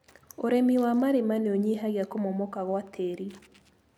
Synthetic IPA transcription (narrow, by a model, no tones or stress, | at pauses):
oɾemiwamaɾemaneoɲiɦaɣjakomomɔkaɣwatʰeɾi